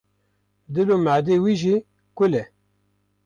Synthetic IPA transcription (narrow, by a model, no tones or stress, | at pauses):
d̪ɨlomaʕd̪ewiʒi | kʷʊlɛ